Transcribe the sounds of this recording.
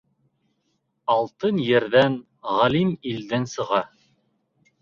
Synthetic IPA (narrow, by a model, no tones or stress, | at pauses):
ɑlˠt̪ɤnjɘ̆ɾðæn | ʁɑlimild̪ɘnsɤ̆ʁɑ